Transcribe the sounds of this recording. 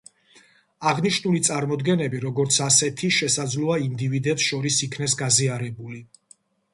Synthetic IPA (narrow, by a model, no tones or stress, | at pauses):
aʁniʃnulit̪sʼaɾmɔd̪ɡɛnɛbiɾɔɡɔɾt̪sʰasɛt̪ʰiʃɛsad̪zlˠɔaind̪ivid̪ɛpsʃɔɾisikʰnɛs̬ɡaziaɾɛbuli